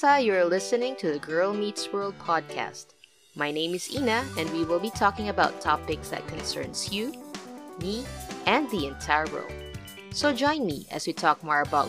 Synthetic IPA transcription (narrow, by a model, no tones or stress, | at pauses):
ajə˞lɪsɨnɪ̃ŋtʰɨðɨɡɜ˞lˠmitswɜ˞lˠd̚pʰɑd̚kʰæ̰st̚ | maɪnẽɪ̃mɨzinɨɨ̃nwiwɪlˠbitʰɔkɪ̃ŋəbaʊtʰɑpɪksðɨ̰t̚kʰɨ̃nsɜ̰̃˞nzju | miʔɨ̃nðiɨ̃ntʰaɪəɹo̰lˠ | soʊd͡ʒɔ̃ɪ̃nmḭɨ̰zwitʰɔk̚mɔɹəbaʊt